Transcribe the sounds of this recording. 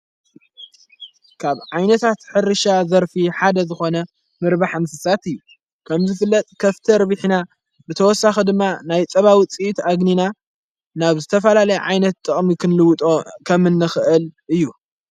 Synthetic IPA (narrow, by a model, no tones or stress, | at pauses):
kʰaβʕajnɐt̪ʰat̪ħɨɾɨʃazɐɾfiħad̪ɐzɨxo̞nɐ | mɨɾbaħamsɨsat̪ɨjːu | kʰɐmzɨfɨlːɐt̪ʼkʰɐft̪ʰɐɾβɨħna | bɨt̪ʰɐwɔsːaxid̪ɨmːanajt͡sʼɐβawit͡sʼiʔt̪aɡnina | naβzɨt̪ʰɐfɐlalɐjɛʕa̰jnɐt̪ːʼɨχʼmikʰɨnlɨwt̪ʼokʰɐmɨnːɨxɨʔɨlʔɨjːu